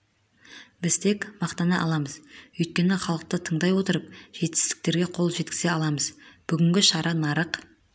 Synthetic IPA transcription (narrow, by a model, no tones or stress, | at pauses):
bɪzt̪ʰe̞kmɑqt̪ɑnɑʔɑ̰lˠɑməzɵjt̪̚kʲe̞nɪχɑlˠəq̚t̪ət̪ʰəɴd̪ɑjwo̞t̪əɾəp̚ʒ̥e̞t̪ɪ̥st̪ɪ̥k̚t̪e̞ɾɡʲe̞qʰo̞lˠʒe̞t̪kʲɪ̥z̥e̞ɑlˠɑməzb̥ʏɡʲɪŋɡʲɪʃɑɾɑnɑɾəq